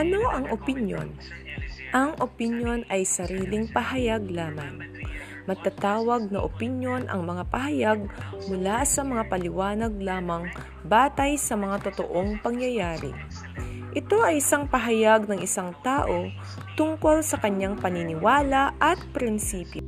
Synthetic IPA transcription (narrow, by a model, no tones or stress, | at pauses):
ʔɐno̞ʔɐŋʔopɪnjo̰n | ʔɐŋʔopɪnjo̞nɐjsɐɾiːlɪŋpɐhɐjaɡ̚laːmɐŋ | mɐɡ̚t̪at̪aːwɐɡ̚nɐʔopɪnjo̞nʔɐ̰ŋmɐŋapɐɦɐjaɡ̚mʊlasɐmɐŋapɐlɪwaːnɐɡ̚laːmɐŋ | baːt̪ɐjsɐmɐŋat̪ot̪o̰ʔoŋpɐŋjɐjaːɾɪ̰ | ʔɪt̪o̞ʔɐjɪsaŋpɐɦɐjaɡnɐŋʔɪsaŋt̪aːʔo̞ | t̪ʊŋko̞lsɐkɐɲaŋpɐnɪnɪwaːlɐʔɐt̪̚pɾɪnsiːpjo